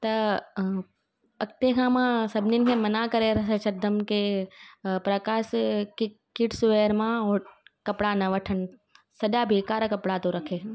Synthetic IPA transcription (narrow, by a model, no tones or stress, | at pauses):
t̪ɐ | ɐk̚t̪ekʰãːmãːsɐbninkẽmɐnaːkɐɾeɾɐsɐt͡ʃɐd̪ʱːɐmke | pɾɐkaːʃki | kiʈsʊʋeːɾmãɔːɾkɐpɽanɐʋɐʈʰən | sɐɖaːbʱikaːɾakɐpɽat̪oɾɐkʰeː